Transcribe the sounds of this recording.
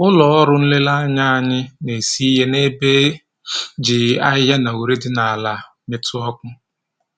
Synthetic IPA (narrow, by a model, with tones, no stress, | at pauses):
ʊ˦lɔ˨ɔ˦ɾʊ˦n̩˦le˦la˦ɲa˦a˨ɲɪ˦ne˨si˦ɦe˦ne˦be˦ | d͡ʒi˨a˦ɦa˦na˨u˨ɾe˦dɪ˦na˨a˨la˨ | me˨tʊ˦ɔ˦kʷʊ˦